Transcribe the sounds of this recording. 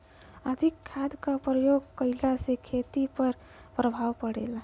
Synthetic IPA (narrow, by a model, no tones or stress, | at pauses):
əd̪ʱikʰːad̪kapɾəjoɡkəɪlasekʰet̪ipəɾ | pɾəbʱaʋpəɽḛla